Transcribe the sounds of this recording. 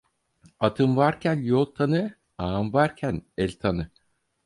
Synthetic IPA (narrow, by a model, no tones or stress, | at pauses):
at̪ʰɯmvaɾcʰænjolˠt̪ʰanɯ | aːmvaɾcʰænɛlʲt̪ʰanɯ